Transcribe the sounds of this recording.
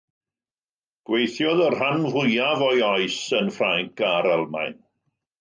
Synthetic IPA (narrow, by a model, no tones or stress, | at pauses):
ɡ̥wejθjɔðər̥hanvʊjavɔjɔɨsənfraŋkaɾɛlˠma̰jn